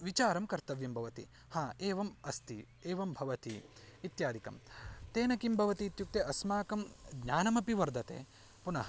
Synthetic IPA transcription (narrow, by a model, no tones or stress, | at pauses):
ʋit͡ʃaːɾɐmkɐɾt̪ɐʋjɐmbʱɐʋɐt̪ḭ | haːeːʋɐmɐst̪i | eːʋɐmbʱɐʋɐt̪ḭit̪jaːd̪ʱikɐ̰mt̪eːnɐkimbʱɐʋɐt̪iːt̪juk̚t̪eʔɐsmaːkɐmɡɲaːnɐmɐpiʋɐɾd̪ʱɐt̪ḛː | punɐɦɐ